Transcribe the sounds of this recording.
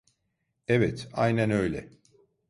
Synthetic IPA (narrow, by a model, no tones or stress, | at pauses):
evɛt̪ajnænø̞jlʲɛ̰